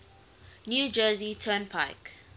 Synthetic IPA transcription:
njuːd͡ʒəːzitʰɜnpʰa̰ɪk

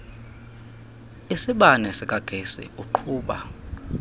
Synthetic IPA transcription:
isiɓanɛsik̬ʼaɡ̥ʱesḭuǃʰuːɓa̰

